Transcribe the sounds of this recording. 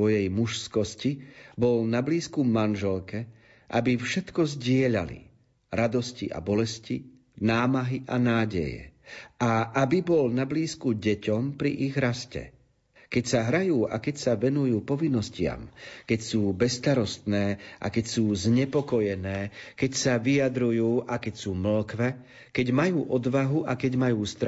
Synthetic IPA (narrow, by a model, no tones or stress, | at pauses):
ɔjɛjmuʃskɔscibɔlnabliːskumanʒɛlkɛ | ʔa̰bifʃɛt̪kɔzɟɪɛʎalḭ | ɾad̪ɔscḭʔa̰bɔlɛsci | naːmaɦiʔanaːɟɛ̰jɛ̰aʔabibɔlnabliːskuɟɛcɔmpɾḭʔiɣɾascɛ̰ | kɛcsaɦɾajuːʔa̰kɛcsaʋɛnujuːpɔʋinːɔscɪa̰mkɛcsuːbɛst̪aɾɔst̪nɛːʔa̰kɛcsuːzɲɛpɔkɔjɛnɛːkɛcsaʋijad̪ɾujuːʔakɛcsuːml̩kʋɛ | kɛɟmajuːʔɔd̪ʋaɦuʔakɛɟmajuːst̪ɾ